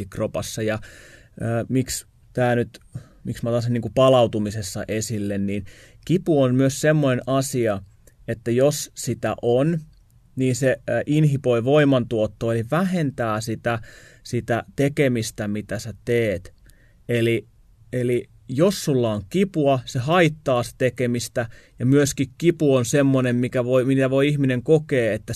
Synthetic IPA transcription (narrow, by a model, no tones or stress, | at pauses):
ikropɑsːɑjɑ | əːmiks | t̪æːnyt̪ | miksmæt̪ɑsiniːŋkupɑlɑut̪umisesːɑ̰ʔesilːenniːn | kipuonmyøssemːonenɑsiɑ | et̪ːæjossit̪æ̰ʔon | niːnseʔinhipoiʋoimɑnt̪uot̪ːoːeliʋæhent̪æːsit̪æ | sit̪æt̪ekemist̪æmit̪æsæt̪eːt̪ | eli | eli | josːulːɑoŋkipuɑsehɑit̪ːɑːse̥t̪ekemist̪æ | jɑmyøskikkipuonsemːonemmikæʋoimit̪æʋoiihmineŋkokeːet̪ːæ